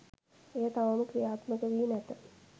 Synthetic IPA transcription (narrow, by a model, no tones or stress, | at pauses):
eɦət̪aʋəməkɾijaːt̪məkəʋiːnɛt̪ə